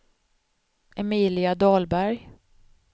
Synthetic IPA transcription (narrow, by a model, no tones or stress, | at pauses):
ʔɛmiːlɪad̪ɑːlbæɾj